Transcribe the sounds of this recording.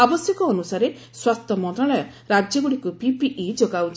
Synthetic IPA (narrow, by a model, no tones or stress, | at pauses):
abɔsjɔkɔːnusaɾe | swast̪ʰɔmɔnt̪ɾaɭɔjɔ | ɾad͡ʒjɔɡuɽikupipiʔid͡ʒoɡawt͡ʃ